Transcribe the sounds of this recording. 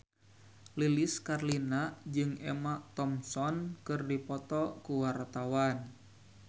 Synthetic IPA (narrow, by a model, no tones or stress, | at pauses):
liliskarlinad͡ʒɨŋɛmaʔt̪ɔmsɔnkɨrdipɔt̪ɔkuwart̪awan